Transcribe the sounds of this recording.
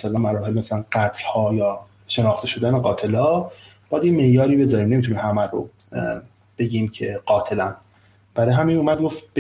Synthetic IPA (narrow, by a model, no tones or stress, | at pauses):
sælæmæɾɒːɦe̞lmæsælænɡæt̪ʰlhɒːjɒː | ʃe̞nɒːxt̪ʰe̞ʃo̞d̪æneɡɒːt̪ʰe̞lɒː | b̥ɒjæd̪jeme̞ʔjɒːɾiːbe̞zɒːɾiːmnemit̪ʰuniːmhæmæɾo̰ | b̥e̞ɟiːmcʰe̞ɢ̥ɒːt̪ʰelæn | b̥æɾɒːjɦæminumæd̪̚ɡoft̪b